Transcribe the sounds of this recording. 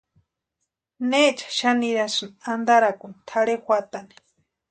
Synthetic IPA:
net͡ʃḁʃaniɾasɨnand̪aɾakunt̪ʰaɽexʷat̪ani̥

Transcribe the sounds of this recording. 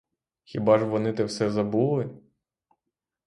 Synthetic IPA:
xʲibɑʒʋɔnɪt̪ɛwsɛzɐbulˠɪ

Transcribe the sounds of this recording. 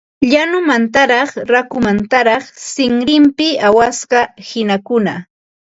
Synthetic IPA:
ʎanʊmant̪aɾɑχɾakʊmant̪aɾɑχsɪŋɾɪmpɪawasɢɑhɪnakʊna

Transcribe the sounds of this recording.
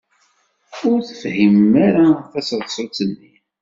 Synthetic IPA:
ʊɾθə̥fhimːaɾaθæsðˤsˤʊt͡sənːi

